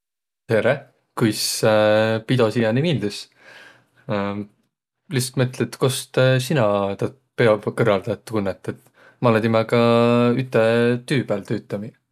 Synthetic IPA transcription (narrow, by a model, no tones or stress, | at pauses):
t̪eɾe | kujs | pid̪o̞sijɑnimild̪is | list̪mɤt̪let̪ːkost̪sinɑt̪ɑ | pe̞ɑb̥kɤrvɑld̪̥ɑt̪ːˑkunːet̪ːˑet̪ | mɑled̪imɑkɑyt̪ːˑet̪yːb̥ælt̪øːt̪ːˑɑmi